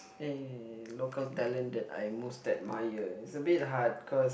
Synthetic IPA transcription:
elokəltɛlə̃ndɛta̰jmustɛt̚majəitsəbit̚ɦat̚kʰɔs

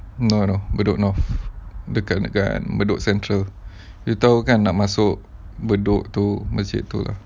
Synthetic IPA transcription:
nonobədʊʔnɔfdəkaka̰nbədʊʔsɛnt̪ɾəl | jut̪aukanːaʔmasʊʔ | bədʊʔt̪uməsɪ̰ʔt̪ula̰h

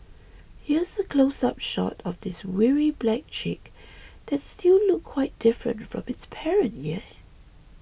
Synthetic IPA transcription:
hiəzəkʰl̥oʊsap̚ʃɔ̰tɔvdɪswiɹiblæk̚t͡ʃʰik | d̥ɛtstillʊkʰːw̥aɪt̚d̥ɪfɹə̰̃ntfɹɔ̰̃mɪtspʰɛɹə̃ntjɛ

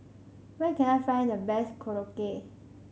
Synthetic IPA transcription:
wɛ̃nkɛ̃najfãɪ̃ndəbɛskʰoɹoke

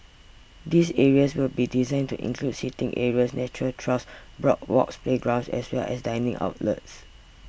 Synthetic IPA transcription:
disɛɹiəswilbidizãɪ̃ntuʔḭ̃nkʰludsitɪ̃ŋʔɛɹiəsnɛt͡ʃuɹəltʰɹɔsbɹɔ̰k̚wɔ̰kspleɡɹãw̃nsɛ̰swɛlɛ̰sdãɪnɪ̃ŋʔa̰ʊtlə̰ts

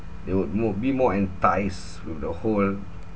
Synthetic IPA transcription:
dewud̚mud̚bimɔɛ̃ntaɪs | wifdəhol

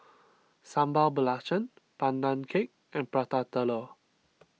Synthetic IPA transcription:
sãmbabəlat͡ʃə̃n | pãndãnkʰek̚ | ʔɛ̃npɹat̪at̪ələ

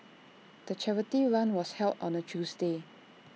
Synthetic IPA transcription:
d̪̥ət͡ʃʰɛvətiɹãnwɔshɛltɔ̰̃nət͡ʃusde

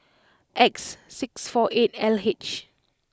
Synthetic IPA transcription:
ʔɛksːiksfɔʔet̚ɛlhet͡ʃ

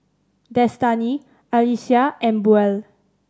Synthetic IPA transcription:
d̪ɛst̪ani | alisiaʔɛ̃mbuɛl

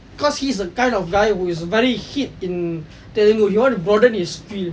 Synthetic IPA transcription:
bikɔshiːs̬əkãɪ̃ndɔfɡajhuɪsvɛɹihit̚ĩn | tɛlĩŋohiwɔ̃nubɹɔdə̃nhisfil

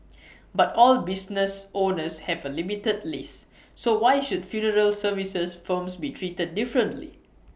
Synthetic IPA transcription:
batɔlbisnəsonəshɛvəlimitədlisː | owajʃudfjunəɹəlsəvisəsfəmsbitʰɹitəd̚ːifɹə̃ntlḭ

